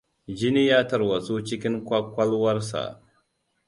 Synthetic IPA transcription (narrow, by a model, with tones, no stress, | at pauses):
d͡ʒɪ˦ni˦jaː˦tɐ˨ɾwa˨su˦t͡ʃɪ˦kʲɪ˦ŋkʷa˦kʷɐ˦lwɐ˦rsa̰˨ʔ